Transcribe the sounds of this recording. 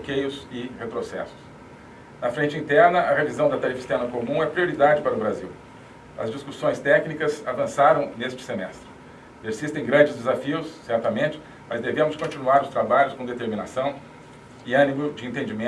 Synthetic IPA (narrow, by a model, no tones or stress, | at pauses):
okejʊzɪhet̪ɾosɛ̰sʊ̥s | nɐfɾẽnt͡ʃɪĩnt̪ɛɾnɐʔɐʁevizɐ̃w̃d̪ɐt̪aɾifi̥st̪ɛɾnɐkomũɛpɾioɾid̪ad͡ʒɪpaɾɐʊbɾaziw | ɐ̰zd͡ʒiskusõj̃st̪ɛknikɐzavɐ̃saɾɐ̃w̃nest͡ʃɪ̥semɛst̪ɾɪ | peɾsist̪ẽj̃ɡɾɐ̃d͡ʒɪzd̪ezafiʊsːɛɾt̪ɐmẽnt͡ʃɪ̥ | mɐzd̪evẽmʊskõt͡ʃinuaɾʊst̪ɾabaʎʊskõd̪et̪eɾmĩnasɐ̃w̃ | ɪɐ̃nimʊd͡ʒɪẽnt̪ẽnd͡ʒimẽ